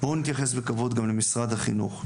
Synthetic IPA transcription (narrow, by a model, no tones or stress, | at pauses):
bonit̪jaχe̞sbekavod̪ɡamle̞misʁad̪haχḭnṵχ